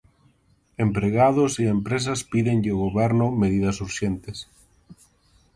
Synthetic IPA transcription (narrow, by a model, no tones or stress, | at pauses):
empɾeɣað̞ʊsiempɾes̬ɐspiðeŋʎɪoɣoβɛɾnʊmeðiðɐsuɾʃent̪ɪs